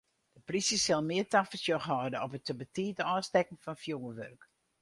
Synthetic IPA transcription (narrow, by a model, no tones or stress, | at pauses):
d̥əprisəsɛlˠmɪətafəsjɔxɦɔːdəɔpətəbətiːtəɔstɛkn̩fɔnfjuŋəʋørk